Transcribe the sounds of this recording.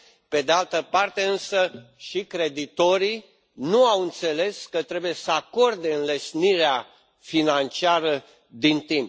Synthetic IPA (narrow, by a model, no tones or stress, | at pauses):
pe̞d̪ealt̪əpart̪e̞ɨnsəʃikɾe̞d̪it̪o̞ɾi | nuawɨnt̪se̞le̞skət̪ɾe̞buje̞səako̞rd̪e̞ɨnlesniɾea | finant͡ʃiaɾə | d̪int̪imp